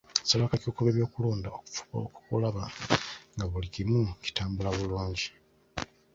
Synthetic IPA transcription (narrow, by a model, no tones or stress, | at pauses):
salakacokoβeβjo̞ːkuloːndaoukulaβaŋɡaβulicimuci̥taːmbulaβuluːɲɟi